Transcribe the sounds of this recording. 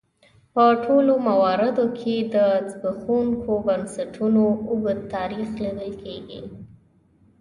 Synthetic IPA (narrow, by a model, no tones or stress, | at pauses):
pəʈʰolomawɑɾɪd̪okʰed̪ət͡sbəxunkobənsaʈʰunoʊɡət̪ːɑɾixlid̪əlkʰeɡḭ